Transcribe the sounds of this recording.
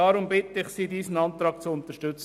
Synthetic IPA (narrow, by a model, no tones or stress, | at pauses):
ɑɾʊmbɪt̪əɪχsiːdiːsən̩ɑnt̪ɾɑːɡ̚t͡sʊʊnt̪əʃtʏt͡s